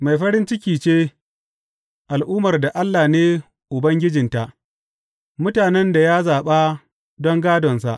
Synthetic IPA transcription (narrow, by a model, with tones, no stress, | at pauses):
ma˨jɸɐ˦ɾɪ˦nt͡ʃɪ˦kʲiː˨t͡ʃeː˦ | ʔa˨lʔuː˦mɐ˨rda˨ʔa˦lːaː˨neː˦ | ʔʊ˨bɐ˦ŋɡʲɪ˦d͡ʒɪ˨nta˨ʔ | mʊ˦taː˨nɛ˦nda˨jaː˦zaː˨ɓaː˦ | dɔ˦ŋɡaː˦dɔ˨nsa̰˦˨ʔ